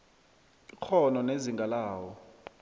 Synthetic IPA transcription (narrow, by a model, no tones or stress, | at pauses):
ik͡xʰɔnɔneziŋɡʱalaːwɔ